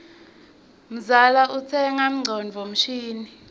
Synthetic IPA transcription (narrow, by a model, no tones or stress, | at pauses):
m̩zalaʔut͡sʰɛŋam̩ŋ͡ǀʱɔnd͡vʱom̩ʃiːni